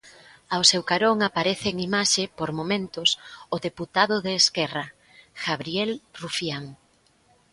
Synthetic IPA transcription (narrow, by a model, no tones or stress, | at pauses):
awsewkaɾoŋapaɾeθɪːŋimaʃepoɾmomẽnt̪ʊsʊðeput̪aðʊðeːskɛrɐ | ɣaβɾjelrufjaŋ